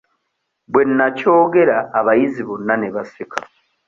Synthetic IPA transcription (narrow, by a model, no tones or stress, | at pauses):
bwe̞nːaco̞ːɡe̞ɾaːβajiziβunːaneβasikʰa̰